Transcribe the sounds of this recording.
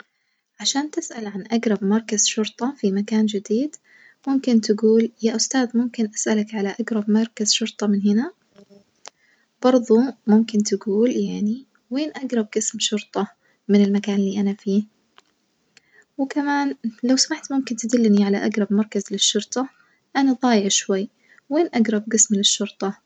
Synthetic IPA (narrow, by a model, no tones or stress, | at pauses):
ʕaʃaːnt̪ɪsʔalʕanʔaɡɾˤɑbmɑɾˤkaz̥ʃʊɾt̪ˤɑfimakaːnd͡ʒɪd̪iːd̪ | mʊmkɪnt̪aɡuːljaːʔʊst̪aːd̪mʊmkɪnʔasʔalakʕalaʔaɡɾˤɑbmɑɾˤkazʃʊɾt̪ˤɑmɪnɦɪna | b̥ɑɾˤðˤumʊmkɪnt̪aɡuːljaʕni | weːnʔaɡɾˤɑb̚ɡɪsmʃʊɾt̪ˤɑ | mɪnɪlmakaːnlːiːʔanafiː | wɪkamaːnlawsamaħt̪mʊmkɪnt̪ad̪ɪlːniʕalaʔaɡɾˤɑbmɑɾˤkazlɪʃːʊɾt̪ˤɑ | ʔanad̪ˤɑːjɪʕʃwajː | weːnʔaɡɾˤɑb̚ɡɪsmlɪʃːʊɾt̪ˤɑ